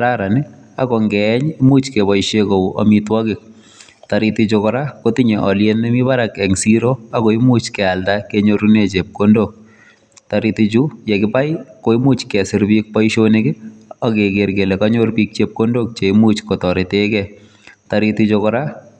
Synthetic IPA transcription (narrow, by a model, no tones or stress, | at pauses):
aɾaɾanɪ | akɔŋɡɛɲimut͡ʃkebɔjʃekoɔ̰mitwɔkɪk̚ | taɾitit͡ʃokɔɾakotiɲeʔɔljenɛmibaɾakɛŋsiɾoakoimut͡ʃkɛaltakeɲoɾunet͡ʃep̚kondok̚ | taɾitit͡ʃujɛkɪpajkoimut͡ʃkɛsɪɾbik̚pɔiʃonekɪɔkekeɾɡelekaɲorpik̚t͡ʃep̚kondok̚t͡ʃeimut͡ʃkɔtɔɾetekɛ | taɾitit͡ʃokɔɾa